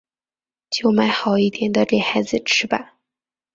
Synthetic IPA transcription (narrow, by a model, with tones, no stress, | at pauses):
t͡ɕjo˥˩ʊma˧˥ɪxɑ˨˩ʊi˥˩t̪ʰjɛ˧˥nd̪ə˧ʈ͡ʂe˥˩ɪxa˧˥ɪd͡zɹ̩˧ʈ͡ʂ̩ʰ˥ba˨˩